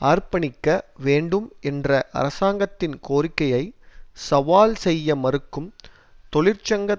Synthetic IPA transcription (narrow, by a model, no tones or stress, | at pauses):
aːrpɐnɪkːɐʋeːɳɖɯmɛndrɐʔɐ̰ɾɐsaːŋɡɐt̪ːɪnkoːrɪkːɐjɐɪsɐʋaːlsɛjːɐmɐɾɯkːɯm | t̪ɔɭɪɾt͡ʃɐŋɡɐ